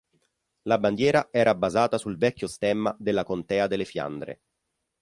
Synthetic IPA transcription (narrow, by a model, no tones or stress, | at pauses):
laband̪jɛːɾaɛːɾʔabazaːt̪asulvɛkʲːjost̪ɛmːa̰d̪elːakont̪ɛːad̪elːefja̰nd̪ɾḛ